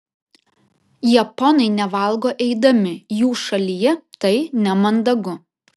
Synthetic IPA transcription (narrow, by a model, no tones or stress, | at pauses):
jɛpɔnɐɪnʲɛʋɐˑlˠˑɡoːʔɛɪd̪ɐmʲɪjuːʃɐlʲijɛt̪ɐɪnʲɛmɐnd̪ɐɡʊ